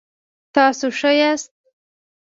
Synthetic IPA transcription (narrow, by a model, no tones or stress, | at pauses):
t̪ɑsoʂəjast̪̚